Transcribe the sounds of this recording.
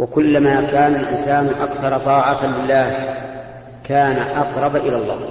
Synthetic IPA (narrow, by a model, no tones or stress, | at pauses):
wakʊlːamaːkaːnalʔɪ̰nsaːnʊʔakθɑɾˤɑt̪ˤɑːʕɑlɪlːaːh | kaːnaʔɑqɾˤɑbaʔɪlalˤːɑ̰ː